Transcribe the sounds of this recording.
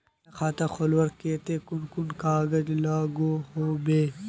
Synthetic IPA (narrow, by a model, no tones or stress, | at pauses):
nɐxaːt̪ɐxolwɐɾkeːt̪eːkunkunkaːɡɐd͡ʒlaːɡohoːbeː